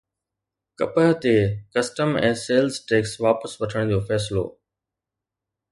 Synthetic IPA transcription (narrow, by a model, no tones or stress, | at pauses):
kɐ̰pəɦt̪eːkɐsʈəmɛ̃ːseːlzʈeːksʋaːpəsʋɐʈʰəɽ̃d̪ijoːfɛːsɪlo̰ː